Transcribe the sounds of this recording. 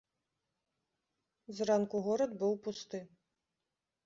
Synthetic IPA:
zrankuɣɔɾɐd̪bɨwpust̪ɨ

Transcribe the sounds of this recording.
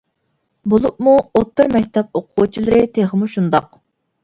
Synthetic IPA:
bolˠup̚muot̪ʰːɨɾmɛkʲt̪ʰɛp̚oqʰuːt͡ʃʰilˠɨɾɨt̪ʰeχmuʃund̪ɑq

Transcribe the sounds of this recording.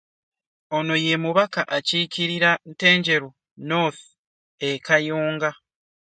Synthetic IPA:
ono̞je̞muβakaʔaciːciɾiɾante̞ːɲɟe̞ɾu | no̞θ | ekajoːŋɡa

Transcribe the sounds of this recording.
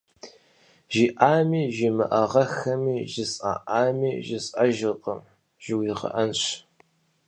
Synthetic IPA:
ʒiːʔaːmiːʒimɨ̰ʔɐʁɐxɐmiːʒɪsʼa̰ːʔaːmiːʒɪsʼɐʒɪqʼəm | ʒ̥ɪwɪʁɐ̰ʔɐnɕ

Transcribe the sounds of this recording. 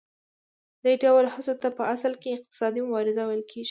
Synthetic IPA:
d̪əɖawaɾhɪsot̪apəaslkeɪq̚t̪ɪ̥sɑd̪imʊbɑɾɪzawajəlkʰeʒi

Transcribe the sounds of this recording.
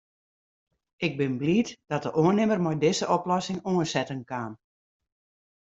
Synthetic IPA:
ɪɡ̚bɪnbliːtd̥ɔt̚dəʔoənɪmərmɔjdɪzəʔɔplɔsɪŋoənsɛtənkan

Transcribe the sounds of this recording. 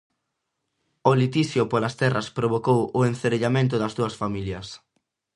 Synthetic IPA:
olit̪iθjʊpolɐst̪ɛrɐspɾoβokowʊenθeɾeʎamẽnt̪̬ʊðɐzðuɐsfamiljɐs

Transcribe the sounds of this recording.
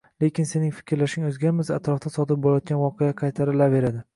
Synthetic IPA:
le̞kʲɪnse̞nɪŋfɪ̥kʲʰɾlaʃɪŋɵzɡʲaɾmɪzat̪ɾɒft̪asɒd̪ɪp̚bolˠajɒt̪̚ɡʲanvɒqʰejaqʰɑjt̪ʰaɾɪlave̞ɾad̪ɪ

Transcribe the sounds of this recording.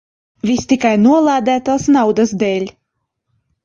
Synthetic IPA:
vʲist̪ikajnuɔlˠaːd̪æːt̪aːsnawd̪asd̪ɛːlʲ

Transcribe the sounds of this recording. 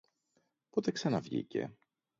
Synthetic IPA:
pot̪e̞ksɐnɐvʝḭce̞̰

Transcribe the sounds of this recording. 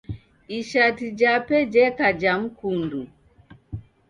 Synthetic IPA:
iʃatid͡ʒapɛd͡ʒɛkad͡ʒam̩kundu

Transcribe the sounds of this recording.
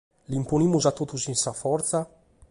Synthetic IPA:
limponimːuzat̪ːot̪usinsafɔɾt̪sa

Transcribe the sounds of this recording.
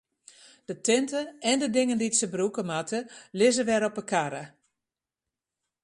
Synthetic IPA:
d̥ətɪntəɛndədɪŋəndiətsəbrukəmatʰəlɪzəʋɛɾɔpəkaɾə̰

